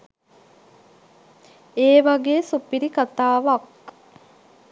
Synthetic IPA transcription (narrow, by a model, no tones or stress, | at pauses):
eːʋaɡeːsupiɾikat̪aːʋɐk̚